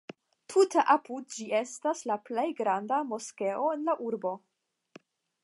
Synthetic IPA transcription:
tʰuteʔapud̚d͡ʒie̞staslaple̞jɡɾandamo̞ske̞ʔo̞e̞nlaʔuɾbo̞

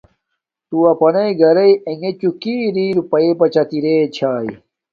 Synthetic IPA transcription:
t̪uɐpɐnɐiɡɐɾɐieŋɡet͡ɕukiːɾiːɾpɐepɐt͡ɕɐt̪iɾeːt͡ɕʰaːi

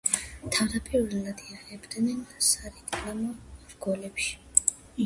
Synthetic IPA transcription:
t̪ʰavd̪apʼiɾvɛlad̪iaɛbd̪nɛnsaɾit̪ʰʼkʼlamɔɾɡɔlɛpʃi̥

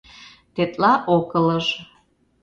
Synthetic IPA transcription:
t̪et̪ʼlɑʔokələʒ

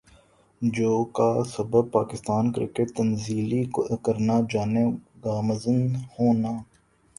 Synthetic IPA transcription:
d͡ʒoːkaːsəbəb̚paːkɪst̪aːnkɾɪ̰kəʈ̚t̪ənziːlikokəɾnaːd͡ʒaːneɡaːməzənhoːnaː

